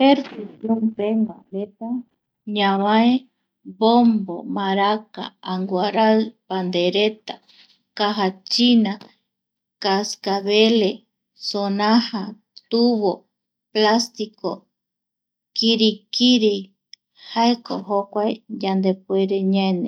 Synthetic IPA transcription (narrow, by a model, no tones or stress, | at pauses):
peɾfisjompeŋɡaɾet̪a | ɲãβae | bombo̰maɾaka̰aŋɡwaɾalpand̪eɾet̪a | kaɦat͡ʃina | kaskaβele | sonãha | t̪uβo | plast̪iko | kiɾikiɾi | haekoɦokʷaejand̪epueɾeɲaenẽ